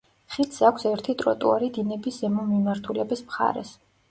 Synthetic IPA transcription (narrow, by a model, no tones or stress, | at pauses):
χit̪sakʷʰsɛɾt̪ʰit̪ʼɾɔ̰t̪ʼṵaɾid̪inɛbiszɛmɔmimaɾt̪ʰulɛbismχa̰ɾɛ̰s